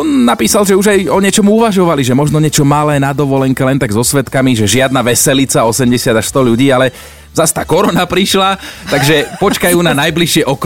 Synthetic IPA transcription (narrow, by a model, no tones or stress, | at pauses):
ɔnːapiːsalʒɛuʒajɔɲɪɛt͡ʃɔmuuʋaʒɔʋaliʒɛmɔʒnɔɲɛt͡ʃɔmalɛːnad̪ɔʋɔlɛŋkɛlɛnt̪aɡzɔsʋɛt̪kamiʒɛʒɪad̪naʋɛsɛlit͡saɔsɛmɟɛsɪad̪aʃst̪ɔʎuɟiːalɛ | zast̪aːkɔɾɔnapɾiʃlat̪aɡʒɛpɔt͡ʃkajuːnanajbliʃɪɛʔɔk